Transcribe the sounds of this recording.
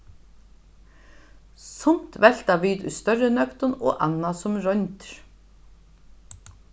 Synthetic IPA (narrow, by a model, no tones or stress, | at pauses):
sɔn̥t̪vɛl̥t̪aviːt̪ʊ̰jst̪œrːɪnœkt̪ʊnɔ̰ːʔa̰nːasʊmɾœnt̪ɾ̥